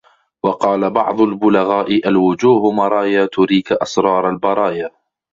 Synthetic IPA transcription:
wɑqɑːlabɑʕd̪ˤʊlbʊlaɣaːʔɪʔalwʊd͡ʒuːhʊmɑɾˤɑːjaːt̪ʊɾiːkʔɑsɾˤɑːɾˤalbɑɾˤɑːjaː

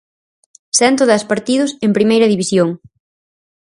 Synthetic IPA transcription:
sɛnt̪̬ʊðɛspaɾt̪iðʊsempɾimejɾɐðiβisjoŋ

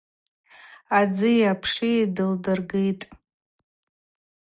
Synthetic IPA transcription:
ad͡zɨjapʰʂidɨldɨrɡejtʼ

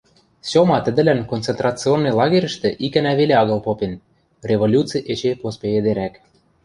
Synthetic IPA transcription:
sʲomɑt̪ə̆d̪ɘ̆lænkontt͡sent̪rɑt͡sɨonːɤlɑɣeɾʲə̆ʃt̪ĕʔikænæβeleɑɣɤ̆lˠpopen | rʲeβolʲut͡sɨjʔet͡ɕepospeβed̪eɾæk

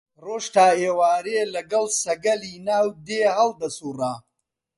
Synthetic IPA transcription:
roːʃt̪aːeːwaːɾelɐɡɐlsɐɡɐliːnaːwd̪eːhɐld̪ɐsura

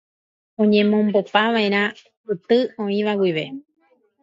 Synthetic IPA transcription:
õ̞ɲẽ̞mõ̞mbopaʋaẽɾ̃ã | ɨt̪ɨõĩʋawiʋe̞

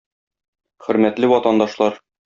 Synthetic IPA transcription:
χɵ̆ɾmæt̪lɘwɒt̪ɑnd̪ɑʃlˠɑɾ

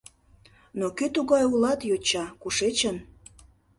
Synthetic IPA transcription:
nokøt̪uɣɑjulɑt̪jot͡ɕɑkuʃet͡ɕən

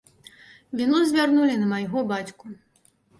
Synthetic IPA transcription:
vʲinuzʲvʲarnulʲinɐmajɣɔbat͡sʲku

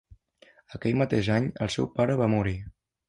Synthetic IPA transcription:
əkɛjmət̪eʒaɲə̰lˠsɛwpaɾəβamuɾi

